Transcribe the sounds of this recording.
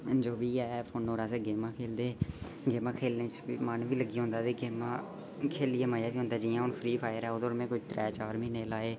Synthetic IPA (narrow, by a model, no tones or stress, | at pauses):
nd͡ʒoːʋiːɛːpʰoːnoːɾaːseːɡeːmãːkʰeːld̪eː | ɡeːmãːkʰeːlneːt͡ʃːmənʋiːləɡiːɦõːnd̪aːt̪eːɡeːmãː | kʰeːlɪeːmaːjãːʋiːɦʊ̃nd̪aːd͡ʒɪːjãːʊnfʰɾiːpʰaːjəɾɛːoːd̪oːɾmẽːkʊt͡ʃt̪ɾɛːt͡ʃaːɾmĩːneːlaːeː